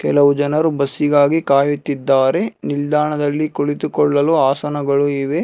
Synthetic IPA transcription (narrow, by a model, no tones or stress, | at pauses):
kɛlɐʋud͡ʒɐnɐɾubɐsːiɡaːɡikaːjut̪ːid̪ːaːɾe̞nild̪aːɳɐd̪ɐlːikoɭit̪ukɔɭːɐluaːsɐnɐɡɐɭuiʋe